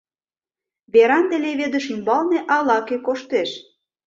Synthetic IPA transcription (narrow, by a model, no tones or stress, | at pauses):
βeɾɑnt̪ĕleβed̪ə̆ʃymbɑlneʔɑlɑkekoʃt̪eʃ